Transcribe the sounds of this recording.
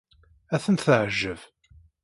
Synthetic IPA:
æθənt̪θəʕəʒːəv

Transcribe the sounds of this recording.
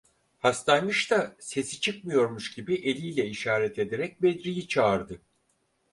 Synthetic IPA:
hast̪ʰanmɯʃt̪ase̞si̥t͡ʃʰɯk̚mɯjo̞ɾmuʃɟibiʔe̞lʲijlʲɛiʃaːɾɛt̪ʰe̞d̪eɾɛc̚bed̪ɾijit͡ʃʰaːɾd̪ɯ

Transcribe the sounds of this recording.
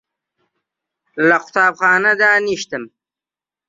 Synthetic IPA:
laqʊ̥t̪aːbχɑːnad̪aːniʃt̪əm

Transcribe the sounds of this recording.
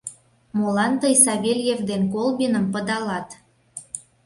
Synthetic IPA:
molɑnt̪əjsɑβelʲjevd̪enkolbinəmpəd̪ɑlɑt̪

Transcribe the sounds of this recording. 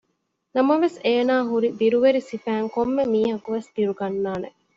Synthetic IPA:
nɐmɐʋeseːnaːɦuɾibiɾuʋeɾisifæːŋkomːemiːɦɐkuʋesb̪iɾuɡɐnːaːnḛ

